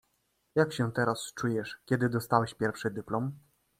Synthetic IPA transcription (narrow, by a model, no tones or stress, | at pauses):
jakɕɛt̪ɛɾast͡ʂujɛʂkʲɛd̪ɘd̪ɔst̪awɛɕpʲjɛɾfʂɘd̪ɘplɔm